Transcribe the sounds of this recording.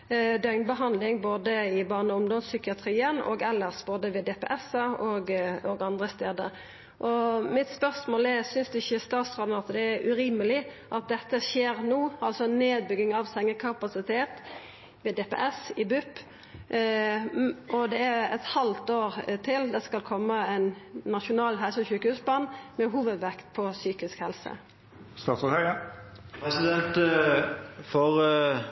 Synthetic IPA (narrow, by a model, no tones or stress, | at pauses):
d̪œŋnbəɦɑnd̪lɪŋboːd̪əɪbɑːnəʊmd̪ɔnssʏkɪɑt̪ʰɾiːənɔ̰ɡɛlːəʁsboːd̪əʋɛd̪eːpɛ̰ʔɛsɑɔɡɔɡɑnd̪ɾəst̪eːd̪ə̰ | ʔɔmɪt̪spœʁsmoːlɛɾsʏnsd̪ɛɪçəst̪ɑːt̪sɾɑːd̪nɑt̪d̪ɛæɾʔʉɾiːməlɪ | ʔɑt̪̚d̪ɛt̪ːəʃeːɾnuːɑlsɔneːd̪̚bʏɡɪŋɑʋsɛŋəkʰɑpɑsɪt̪ʰeːt̪ | ʋɛːd̪epḛʔɛsɪbʉpː | ɔd̪ɛæɾɛ̰t̪hɑlt̪oːɾt̪ʰɪld̪ɛskɑlkʰɔmːəænnɑʃʊnɑːlɦɛlsəçʉːkəhʉːsbɑnːmɛɦuːʋəd̪ʋækt̪̚pʰɔsyːkɪskhɛlsə̰ | st̪ɑːt̪sɔt̪ʰæ | pʰʁɛsɪd̪ɛnt̪ | fɔʁ